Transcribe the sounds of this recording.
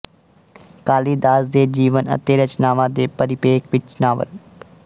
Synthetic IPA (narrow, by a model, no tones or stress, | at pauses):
kaːliːd̪aːzd̪eːd͡ʒiːʋənə̰t̪eːɾət͡ʃnaːʋãːd̪eːpəɾɪpeːkʋɪt͡ʃnaːʋə̰l